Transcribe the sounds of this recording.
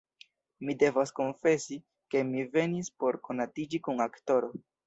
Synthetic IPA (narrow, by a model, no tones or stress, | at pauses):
mide̞vasko̞nfe̞si | ke̞mive̞nispo̞ɾko̞natid͡ʒikuŋakto̞ɾo̞